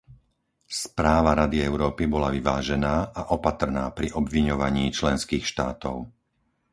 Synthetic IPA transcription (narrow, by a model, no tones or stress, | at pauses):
spɾaːʋaɾad̪iɛʊɾɔːpibɔlaʋiʋaːʒɛnaːʔaʔɔpat̪r̩naːpɾiʔɔbʋiɲɔʋaɲiːt͡ʃlɛnskiːxʃt̪aːt̪ɔʊ